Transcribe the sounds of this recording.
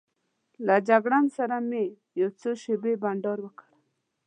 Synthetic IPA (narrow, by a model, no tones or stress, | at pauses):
lad͡ʒaɡɽansaɾame | jawt͡soʃebebaɳɖɔɾwəkʰḁɽ